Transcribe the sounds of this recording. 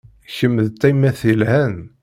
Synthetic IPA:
çəmːəðt̪ːæjmːæθilhæn

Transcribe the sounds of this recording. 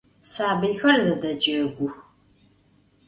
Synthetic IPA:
saːbɨjxɐrzɐdɐd͡ʒɨːɡʷʊx

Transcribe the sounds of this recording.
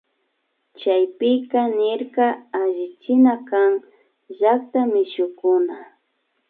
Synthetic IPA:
t͡ʃajpɪkanɪɾkaaʒɪt͡ʃɪnakaŋ | ʒak̚t̪amɪʃʊkʊna

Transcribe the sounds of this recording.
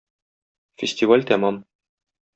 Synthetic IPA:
fʲɪsʲt̪ʲivalʲt̪æmɑm

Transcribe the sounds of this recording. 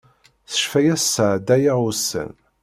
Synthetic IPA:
θə̥ʃfæjæssəʕd̪æjaʊsːə̰n

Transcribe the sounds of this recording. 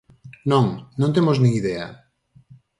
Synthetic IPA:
nõŋnõnt̪emoznĩŋiðɛɐ̰

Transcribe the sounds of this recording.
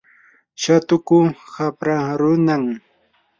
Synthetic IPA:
ʃat̪ʊkʊxapɾaɾʊnaŋ

